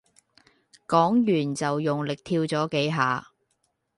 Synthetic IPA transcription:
kɔː˨˥ŋjyː˨˩nt͡sɐ˨wjʊ˨ŋlɪ˨k̚t̪ʰiː˧wt͡sɔː˨˥ke˨˥jɦa̰ː˨˧

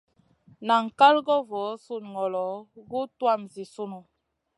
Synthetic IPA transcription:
na˨ŋ̩˨ka˦lɡɔ˦vɔ˨˦su˦˨nŋɔ˨lɔ˨ɡu˦twa˦˨mzi˨su˦nu˨

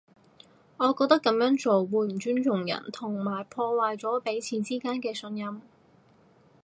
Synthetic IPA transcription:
ŋɔː˨˧kɔː˧k̚t̪ɐ˥kːɐ˨˥mjœː˨˥ŋt͡so˨wːuː˨˧˩m̩˨˩t͡ʃyː˥nt͡ʃʊ˨˩ŋjɐ̰˨˩nt̪ʰʊ˨˩ŋmaː˨˩jpʰɔː˧waː˨jt͡sɔː˨˥pe˨˥jt͡sʰiː˨˥nt͡siː˥kaː˥nkɛː˧sɵ˧njɐ˥m

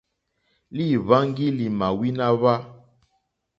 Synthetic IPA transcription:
li˦˨βa˦ŋ˦ɡi˦li˨ma˨wi˦na˦βa˦

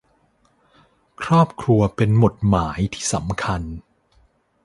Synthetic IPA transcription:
kʰɾɔː˥˩p̚kʰɾu˧ɐpe˧nmo˨˩t̪̚maː˩˦jt̪ʰiː˥˩sa˩˦mkʰa˧n

